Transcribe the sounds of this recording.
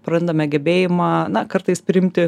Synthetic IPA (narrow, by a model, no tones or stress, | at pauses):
pɾɐnd̪ɐmʲɛɡʲɛbʲeːjɪmɑːnɐkɐɾt̪ɐɪspʲɾʲɪɪmʲt̪ʲɪ